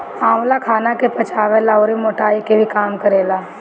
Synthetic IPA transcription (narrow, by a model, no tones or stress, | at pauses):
aːmlakʰaːnakepɐt͡ʃʰaːʋeːlaoːɾimoːʈaːikebʱikaːmkəɾeːlaː